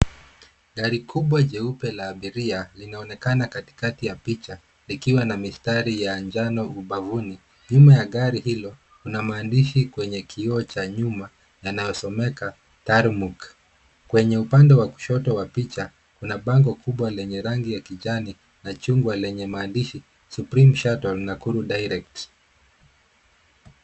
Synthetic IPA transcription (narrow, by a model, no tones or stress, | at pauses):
ɠaɾikʰuɓwad͡ʒɛupɛlaːɓiɾialinaɔnɛkanakati̥katijapit͡ʃa | likiwanamistaɾijand͡ʒanɔuɓavuni | ɲumajaɠaɾihilɔ | kunamaːndiʃikwɛɲɛkʰiɔt͡ʃaɲuma | janajɔsɔmɛka | taɾmuk | kwɛɲɛupandɛwaku̥ʃɔtɔwapit͡ʃa | kunaɓaŋɡɔkʰuɓwalɛɲɛɾaŋɡijakiʄani | nat͡ʃuŋɡwalɛɲɛmaːndiʃi | supɾimʃatɔlnakuɾuɗajɾɛk̚t